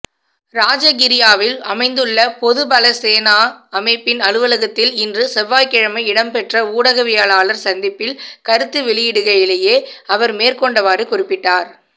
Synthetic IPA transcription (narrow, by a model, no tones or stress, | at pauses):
ɾaːd͡ʒɐɡɪɾɪjaːʋɪlɐmɐɪnd̪ɯɭːɐpɔðɯbɐlɐseːnaːɐmɐɪpːɪnɐɻɯʋɐlɐɣɐt̪ːɪlɪndrɯsɛʋːaːjkɪɻɐmɐɪɪɽɐmpɛʈrɐuːɽɐɣɐʋɪjaːɭaːlɐɾsɐnd̪ɪpːɪlkɐɾɯt̪ːɯʋɛɭɪjɪɽɯɣɐjɪleːjeːɐʋɐɾmeːrkɔɳɖɐʋaːɾɯkʊrɪpːɪʈːaːɾ